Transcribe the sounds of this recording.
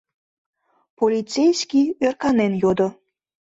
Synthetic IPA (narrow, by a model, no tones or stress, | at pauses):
polʲit͡sejskʲiørkɑnenjod̪o